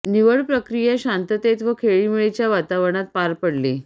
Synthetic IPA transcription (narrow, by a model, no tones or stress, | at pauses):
niʋəɭpɾəkɾijeɕant̪ət̪et̪ʋəkʰeɭiːmiɭet͡ɕjaʋat̪aʋəɳ̃at̪̚paɾpəɽliː